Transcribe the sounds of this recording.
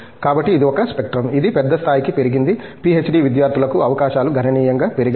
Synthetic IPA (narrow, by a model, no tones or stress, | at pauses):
kaːbɐʈːiːd̪iɔkɐspek̚ʈɾɐmid̪ipɛd̪ːɐst̪ʰaːjikipeɾiɡind̪ipiet͡ʃːɖiʋid̪jaːɾt̪ʰulɐkuɐʋɐkaːʃaːluɡʱɐnɐniːjɐŋɡaːpeɾiɡ